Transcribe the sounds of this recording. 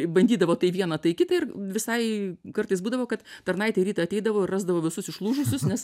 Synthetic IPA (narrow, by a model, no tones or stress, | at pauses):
bɐnʲdʲiːd̪ɐʋoːt̪ɐɪʋʲiɛnɐt̪ɐɪkʲɪt̪ɐɪɪrʋʲɪsɐɪkɐrt̪ɐɪsbuːd̪ɐʋoːkɐt̪t̪ɐrnɐɪt̪ʲɛɪɾʲiːt̪ɐɪɐt̪ʲɛɪd̪ɐʋoːɪrɑːzd̪ɐʋoːʋʲɪsʊsɪʃlˠuːʒʊsʲʊsnʲɛs